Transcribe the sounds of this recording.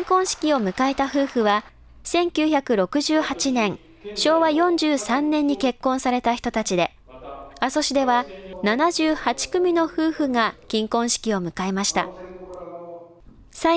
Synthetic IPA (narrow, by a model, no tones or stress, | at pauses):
ŋkõ̞ɰ̃ɕi̥kʲio̞mɯ̟kaet̪aɸɯ̟ːɸɯ̟βa | sẽ̞ŋkʲɨːçakɯ̟ɾo̞kɯ̟ʑɨːhat͡ɕinẽ̞ŋ | ɕo̞ːβajõ̞ɲd͡ʑɨːsãnːẽ̞ɲ̟ːike̞kːõ̞ɰ̃saɾe̞t̪açi̥t̪o̞t̪at͡ɕid̪e̞ | aso̞ɕid̪e̞βananaʑɨːhat͡ɕi̥kɯ̟mʲino̞ɸɯːɸɯ̟ŋakʲĩŋkõ̞ɰ̃ɕi̥kʲio̞mɯ̟kaemaɕi̥t̪a̰ | sa